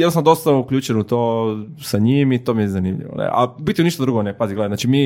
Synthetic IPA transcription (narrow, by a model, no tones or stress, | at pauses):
jɛdnosanod̪ost̪aukʎuːt͡ʃenut̪oː | saɲimit̪oːmijɛzanimʎḭʋo̰nḛʔa̰bit̪ːiuniʃt̪ad̪ɾuɡonepaziɡleanaːt͡ʃimiː